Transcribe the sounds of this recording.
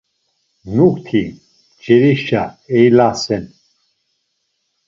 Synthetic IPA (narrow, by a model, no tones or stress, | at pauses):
nukt̪ʰi | d͡ʒɛɾiʃaɛjlasɛn